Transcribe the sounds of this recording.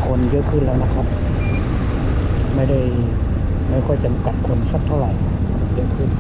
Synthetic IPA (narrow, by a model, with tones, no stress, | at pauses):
kʰo˧njɤ˦˥ʔkʰɯː˥˩nlɛː˦˥wna˦˥kʰa˦˥p̚ | ma˥˩jda˥˩j | ma˥˩jkʰɔ˥˩jt͡ɕa˨˦mka˨˩t̪̚kʰo˧nsa˧˦˥p̚t̪ʰːa˧˥˩wɾa˨˩j | a˧˩a˧˩pe˨˩˨mkʰɯ˧˥˩n